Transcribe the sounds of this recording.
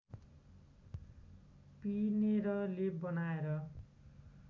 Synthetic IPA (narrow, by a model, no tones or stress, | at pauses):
pineɾʌlebʌnaeɾʌ